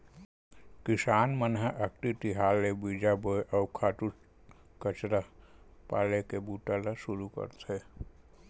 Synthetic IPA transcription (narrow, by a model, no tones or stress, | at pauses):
kisaːnmənɦəʔək̚ʈiʈ̪iɦaːlːebid͡ʒaboeʔɔʊkʰaːʈu | kət͡ʃɾapa̰ːlekebuʈalasuɾukə̰ɾt̪ʰe